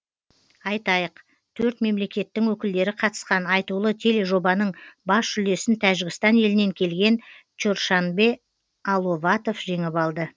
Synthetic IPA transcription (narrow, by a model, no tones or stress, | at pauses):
ɑjt̪ɑjəq | t̪ʰɵɾt̪me̞mle̞kʲe̞t̪ːɪŋwɵkʲɪld̪e̞ɾɪqʰɑt̪ə̥sqɑnɑjt̪ulˠət̪ʰe̞le̞ʒo̞bɑnəɴbɑsʏle̞sɪnt̪ʰæʒɪɡʲɪst̪ɑne̞lɪne̞ŋkʲʰe̞lɡʲe̞nt͡ʃoɾʃɑnbe̞ | ɑlˠo̞vɑt̪ofʒe̞ŋɪpɑlˠd̪ə